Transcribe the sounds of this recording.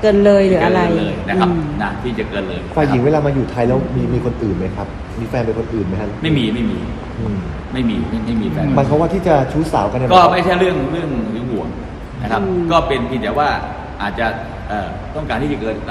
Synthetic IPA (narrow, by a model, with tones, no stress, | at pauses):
kɤː˧nlɤː˧jlɯː˨˩˦a˧ɾa˧jləː˧jna˦a˦˧na˦t̪ʰiː˥˩t͡ɕa˨˩kɤː˧nlɤː˧jfaː˧˩ji˨˩˦ŋwe˧laː˧maː˧juː˨˩t̪ʰa˧jlɛː˦˥wmiː˧˩miː˧kʰo˧nʔɯː˨˩nma˦˥jkʰa˦˥p̚ | miː˧fɛː˧npe˧nkʰo˧nʔɯː˨˩nma˦˥jkʰa˦˥ma˥˩jmiː˧ma˥˩jmiː˧ | ʔɯː˧˩m | ma˥˩jmiː˧ma˥˩ma˥˩jmiː˧fɛː˧ma˧jkʰɔ˦˥waː˥˩t̪ʰiː˥˩t͡ɕa˨˩t͡ɕʰuː˦˥sa̰ː˩˦wka˧nːɛ˥˩kɔː˥˩ma˥˩jt͡ɕʰa˥˩jɾɯ˥˩əŋɾɯ˥˩əŋwiː˨˦hu˨˩əŋ | nna˦˧kʰa˦pkɔː˥˩pe˧npʰi˧nɛː˨˦waː˥˩ | ʔaː˨˩t̪̚t͡ɕa˨˩ | ʔəː˨˩ | t̪ɔ˥˩ŋkaː˧nt̪ʰiː˥˩t͡ɕa˨kɤː˧n˧